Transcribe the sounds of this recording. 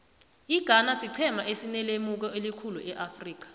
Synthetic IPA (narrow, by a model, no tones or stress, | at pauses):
iɡ̥ʱanasiǀʰɛmaʔesinɛlemuk̬ɔelikʰuluʔɛʔafriːk̬ḁ